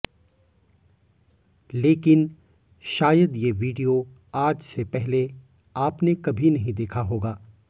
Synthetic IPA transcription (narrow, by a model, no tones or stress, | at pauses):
leːkɪn | ʃaːjəd̪jeʋiːɖijo | aːd͡ʒsepɛɦle | aːpnekɐbʱinɐɦĩd̪eːkʰaɦoːɡaː